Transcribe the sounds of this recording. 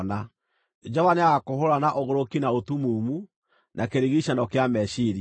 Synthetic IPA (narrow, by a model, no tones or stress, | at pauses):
na | d͡ʒɔvaneaɣakohoɾanaʔoɣoɾokinaotumuːmu | nʔakeɾeɣiɕanɔkeamɛʃiɾi